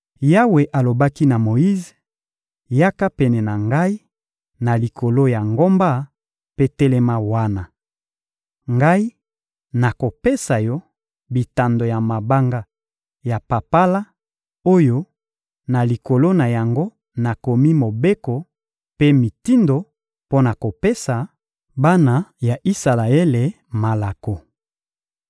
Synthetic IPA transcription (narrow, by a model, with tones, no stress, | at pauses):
ja˦we˨ʔa˨lo˨ba˦ki˦na˨mo˨ji˦ze˨ | ja˦ka˦pɛ˨nɛ˨na˨ŋɡa˦i˦ | na˨li˨kʰo˨lo˦ja˨ŋɡo˦mba˦ | pe˦tɛ˦lɛ˦ma˦wa˦na˨ | ŋɡa˦i˦ | na˨ko˨pe˦sa˨jɔ˦ | bi˨ta˨ndo˨ja˨ma˨ba˦ŋɡa˦ | ja˨pa˨pa˦la˦ | o˦jo˦ | na˨li˨ko˨lo˦na˨ja˨ŋɡo˦ | na˨ko˨mi˦mo˨be˦ko˨ | pe˦mi˨ti˦ndo˨ | po˦na˨ko˨pe˦sa˨ | ba˦na˨ja˨ʔi˦sa˨la˨ɛ˦le˨ | ma˨la˨ko˨